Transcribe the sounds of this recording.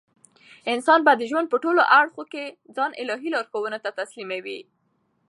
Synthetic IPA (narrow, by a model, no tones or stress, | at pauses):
ɪnsɑnbad̪əʒwand̪̚pəʈoloʔaɽxoked͡zɑnʔɪ̰lɑɦilɑɾxowənot̪at̪aslimawi